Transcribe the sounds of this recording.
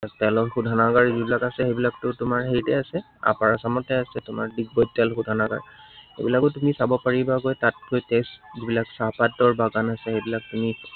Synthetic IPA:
tɛlɔɹxudʱanaɡaɹzibilakasɛxejbilak̚tʊtʊmaɹɦejtɛasɛ | a̰paɹasamɔtɛasɛtʊma̰ɹdik̚bɔjtɛlxudʱanaɡa̰ɹxḛbilakʊtumisabɔpaɹibaɡojtat̚kojteszibilaksapatːɔɹbaɡanasɛxejbilak̚tumi

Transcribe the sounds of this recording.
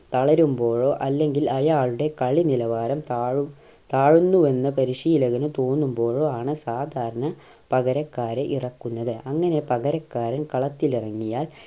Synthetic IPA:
t̪ɐɭɐɾumbo̞ːɻo̞ːʔɐlːe̞ŋɡilɐjaːɭuɽe̞kɐɭinilɐʋaːɾɐmt̪aːɻu | t̪aːɻunːuenːɐpɐɾiʂijilɐɣɐnut̪o̞ːnːumbo̞ːɻoːaːɳɨsaːd̪ʱaːɾɐɳɐ | pɐɣɐɾɐkːaːɾeʔirɐkːunːɐðɨʔɐŋːɐne̞pɐɣɐɾɐkːaːɾɐnkɐɭɐt̪ːilirɐŋːijaːl

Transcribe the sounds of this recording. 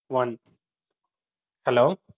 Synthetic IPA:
wʌ̃n | hɛloː

